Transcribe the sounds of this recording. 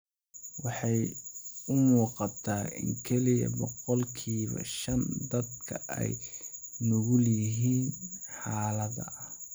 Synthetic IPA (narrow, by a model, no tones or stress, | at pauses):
wɑħɑjʊmuːqɑt̪ʰaːɪ̰ŋkʰɛlɪjɐ̰bɔqɔlkʰiːβɐ̰ʃɐnd̪ɐd̪kʰɐɛ̰jnʊɣʊljɪɦiːnħɑːlɐðɐ̰ʔɐh